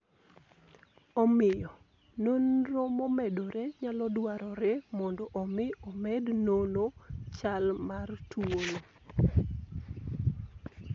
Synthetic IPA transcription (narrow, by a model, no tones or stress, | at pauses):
ɔmɪjɔ | nonromɔmɛdoɾeɲalɔdwaɾɔɾɛmɔndɔʔɔmɪɔmɛdnonot͡ʃalmartuolo